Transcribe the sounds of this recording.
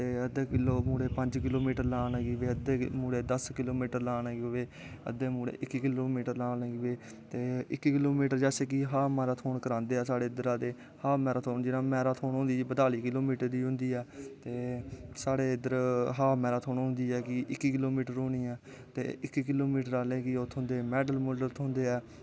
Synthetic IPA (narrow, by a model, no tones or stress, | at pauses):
t̪eːəd̪eːkɪloːmuːɽeːpəɲd͡ʒkɪloːmiːʈəɾlaːnəɡiʋeːəd̪eːmuːɽeːd̪əskɪloːmiːʈəɾlaːnaːɡʋeː | ə̰d̪eːmuːɽḛːʔɪkːkɪloːmiːʈəɾlaːəɡiʋeː | t̪eːɪkːkɪloːmiːʈəɾd͡ʒɛːseːk̬ɪɦaːmɛːɾaːt̪ʰoːɳkəɾãːnd̪eːɛːsaːɽeːɪd̪əɾãːd̪eː | haːmɛːɾaːt̪ʰoːd͡ʒɪnãːmɛːɾaːt̪ʰoːnɦʊ̃nd̪iːbəd̪aːliːkɪloːmiːʈəɾd̪iːɦʊ̃nd̪iːɛːt̪eːsaːɽeːɪd̪əɾɦaːmɛːɾaːt̪ʰoːɳɦʊ̃nd̪iːɛːkɪʔɪkːikɪloːmiːʈəɾoːniːɛː | t̪ḛːɪkːkɪloːmiːʈəɾaːlẽːkɪoːt̪ʰʊ̃nd̪eːmɛːɖəlmʊlət̪ʰõnd̪eːɛː